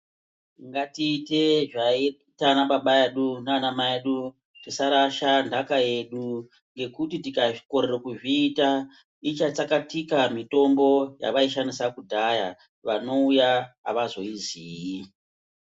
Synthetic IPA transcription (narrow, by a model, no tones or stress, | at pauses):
ŋɡatiːte̞ʐai | tanaɓaɓaeɗunanamaeɗu | tisaɾaʃandakae̞ɗu | ŋɡe̞kutitikai̥ko̞ɾerekuʐiːta | it͡ʃat͡sakatikamito̞mbo̞ja̰ʋaiʃanisakudʱaja | ʋano̞ujaa̰ʋazo̞iziːji